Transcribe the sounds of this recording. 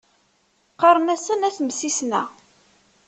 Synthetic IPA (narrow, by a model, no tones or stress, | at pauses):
qɑɾˤənæsənæθmsisnæ